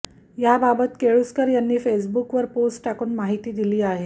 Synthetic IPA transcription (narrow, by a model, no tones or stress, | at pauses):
jababət̪keɭuskəɾjanːiːfesbukʋəɾposʈʈakuːnmaɦit̪iːd̪iliːaɦe